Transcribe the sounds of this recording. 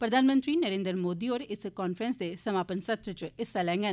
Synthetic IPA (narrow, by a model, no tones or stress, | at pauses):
pɾəd̪ʱaːnmə̃nt̪ɾiːnəɾẽːnd̪ɾmoːd̪iːoːɾɪskɔːnfʰɾənsd̪eːsəmaːpənsət̪ɾt͡ʃɪsalɛ̃ːŋɡən